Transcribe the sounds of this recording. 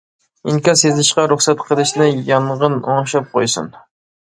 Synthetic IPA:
iŋkʲɑsezɪʃqɑɾuχsɛt̪qʰəlˠɪʃnɪjɑɴʁəno̰ŋʃɑp̚qʰojsṵn

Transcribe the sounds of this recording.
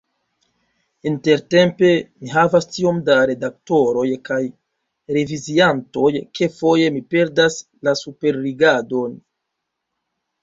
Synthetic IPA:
inte̞ɾte̞mpe̞miɦavastio̞mdaɾe̞dak̚to̞ɾo̞jkaj | ɾe̞vizianto̞jke̞fo̞je̞mipe̞ɾdas | lasupe̞ɾːiɡado̞n

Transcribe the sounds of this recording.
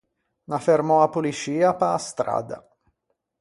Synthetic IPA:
nafermɔapulit͡ʃiːapaːst̪ɾa̰ːd̪a̰

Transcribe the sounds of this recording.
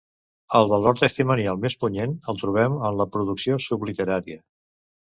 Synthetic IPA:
əlˠβəlˠɔɾt̪əst̪imənialˠmespuɲenəlˠt̪ɾuβ̞ɛmənləpɾuðuksiosublit̪əɾaɾiə

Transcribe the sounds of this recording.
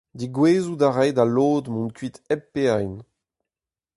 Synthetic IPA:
d̪iɡweːzud̪aʁɛjdaloːd̪mɔ̃nkɥit̪ɛpːeajn

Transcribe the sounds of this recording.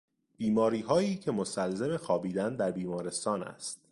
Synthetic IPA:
b̥iːmɒːɾiːɦɒːjiːcʰe̞mosælzeme̞xɒːbiːd̪ænd̪æɾbiːmɒːɾe̞st̪ɒːnæ̰st̪̚

